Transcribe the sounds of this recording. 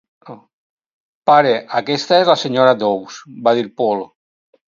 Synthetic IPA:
paɾeʔakest̪aezlaseɲoɾad̪owsbaðiɾpolo

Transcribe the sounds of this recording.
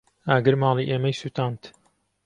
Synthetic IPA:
aːɡɨɾmɑːlˠiʔeːmɐjsuːt̪aːnt̪

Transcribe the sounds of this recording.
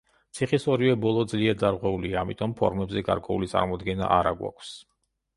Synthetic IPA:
t̪sʰiχisɔɾivɛbɔlˠɔd̪zliɛɾd̪aɾʁwɛuliaːmit̪ʼɔmpʰɔ̰ɾmɛbzɛɡa̰ɾkʼwɛṵlit̪sʼa̰ɾmɔd̪ɡɛna̰ʔaɾaɡwa̰kʷʰs

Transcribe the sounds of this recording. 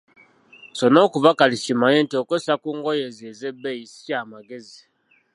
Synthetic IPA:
sono̞ːkuvakaliʃimaɲeːntiokwesakuːŋɡo̞jezezebeisi̥amaɡe̞zi

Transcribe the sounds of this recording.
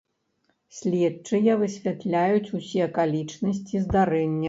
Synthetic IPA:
sʲlʲɛt͡ʂɨjɐvɨsʲvʲat̪lʲajut͡sʲusʲiɐkalʲit͡ʂnɐsʲt͡sʲizd̪aɾɛnʲːɐ

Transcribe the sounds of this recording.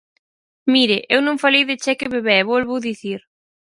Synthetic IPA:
miɾɪʔewnõŋfalejðɪt͡ʃɛkɪβeβɛβolβʊðiθiɾ

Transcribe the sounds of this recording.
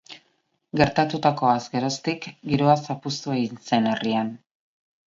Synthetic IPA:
ɡe̞ɾt̪at̪ut̪ako̞asɡe̞ɾo̞st̪ikɡiɾoasapust̪ue̞ɣinse̞nerian

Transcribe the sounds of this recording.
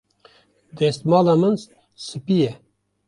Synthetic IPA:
d̪est̪mɑːlamɨns | sɨpije

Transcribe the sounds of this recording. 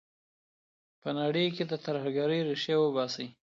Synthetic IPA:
pənaɽəjked̪ət̪əɾhaɡaɾəjɾeʃawəbɑsəj

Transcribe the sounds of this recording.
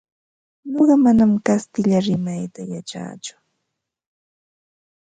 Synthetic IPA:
ɲoɢɑmanamkast̪ɪʎaɾɪmajt̪ajat͡ʃa̰ːt͡ʃʊ̥

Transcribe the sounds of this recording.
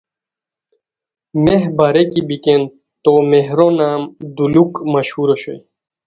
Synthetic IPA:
meɦbaɾekibiken | t̪omeɦɾonaːmd̪ulukmɐɕhuɾɐɕo̰j

